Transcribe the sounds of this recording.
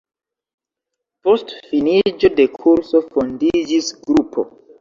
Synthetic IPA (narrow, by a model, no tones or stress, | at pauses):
postfinid͡ʒodekʰuɾsofondid͡ʒisɡɾupʰo̰